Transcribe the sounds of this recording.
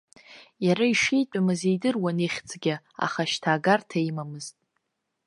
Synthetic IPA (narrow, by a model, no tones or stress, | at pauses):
jaɾaiʂijt͡pʷʼamɨzejdɨrwaniχʲt͡sʰʼɡʲɪ | a̰χaʃtʰaːɡartʰaimamɨztʼ